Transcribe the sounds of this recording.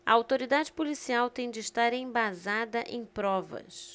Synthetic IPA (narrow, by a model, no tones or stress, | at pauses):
ɐ̰awt̪oɾid̪ad͡ʒɪpolisiawt̪ẽj̃d͡ʒɪːst̪aɾẽj̃bazad̪ɐʔẽj̃pɾɔvɐ̰s